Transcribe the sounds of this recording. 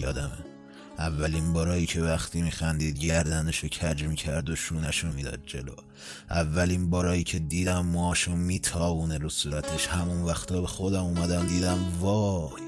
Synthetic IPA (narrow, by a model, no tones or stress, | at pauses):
jɒ̰ːd̪æme | ʔævːælinbɒːɾɒːjiːcʰe̞væxt̪ʰiːmiːxænd̪iːd̪̚ɟæɾd̪æneʃocʰæd͡ʒmiːcʰæɾd̪oʃuːnæʃumiːd̪ɒ̰ːd̪̚d͡ʒḛlo̰ː | ʔævːælinbɒːɾɒːjiːcʰe̞d̪iːd̪æmːɒʃonmiːt̪ʰɒːvuːneɾusuːɾæt̪ʰe̞ʃhæmunvæxt̪ʰɒːbe̞xod̪æmuːmæd̪æmd̪iːd̪æmvɒːj